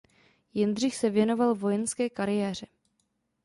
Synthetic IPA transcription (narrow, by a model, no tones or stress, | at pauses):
jɛndr̝ɪxsɛvjɛno̞valvojɛnskɛːkaɾɪjɛːr̝ɛ